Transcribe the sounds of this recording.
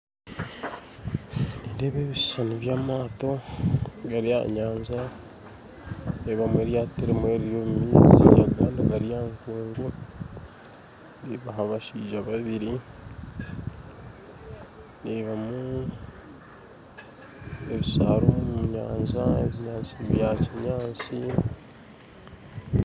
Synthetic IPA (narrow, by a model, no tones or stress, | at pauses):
niːndeːβeːβiʃsanoβjaːmaːto̞ | ɡaɾija̰ɲaːɲza | neβamueːɾjaːtiɾemweɾijomumiːzḭja̰ɡaːndoɡaɾijaːŋkeːŋɡo | niβaɦaβaʃiːʒaβaβiɾi | niβamu | eβisa̰ːɾomuuɲa̰ːɲzaḛβiɲaːnt͡siβjat͡ʃiɲaːnt͡si